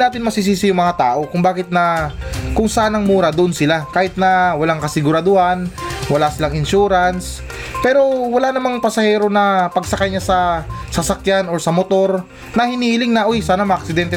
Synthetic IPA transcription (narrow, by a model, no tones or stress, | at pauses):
naːt̪ɪnmɐsis̬iːsɪjʊŋmɐŋat̪aːʔo̞kʊŋbaːkɪt̪̚nɐkʊŋsɐaːnɐŋmuːɾɐd̪oʔonsɪlakaːhɪt̪̚nɐwɐlaŋkɐsɪɡʊɾɐd̪ohanwɐlasɪlaŋɪnʃuːɾɐns | pɛːɾo̞wɐlanɐmaŋpɐsɐhɛːɾo̞nɐpɐɡsɐkajɲasɐsɐsɐkjano̞ɹsɐmot̪o̞ɾ | nɐhɪnilɪŋnɐʔojsaːnɐmɐʔɐk̚sɪd̪ɛnt̪ɛ